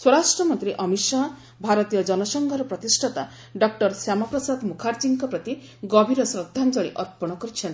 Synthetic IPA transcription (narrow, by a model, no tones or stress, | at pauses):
swɔɾasʈɾɔmɔnt̪ɾiʔɔmiʃa | bʱaɾɔt̪ijɔd͡ʒɔnɔsɔŋɡʱɔɾɔpɾɔt̪isʈʰɔt̪a | ɖɔk̚ʈɔɾsjamapɾɔsad̪mukʰaɾd͡ʒiŋkɔpɾɔt̪i | ɡɔbʱiɾɔsɾɔd̪ʱːand͡ʒɔɭ̃ḭʔɔɾpɔɽ̃ɔkɔɾit͡ʃʰɔnt̪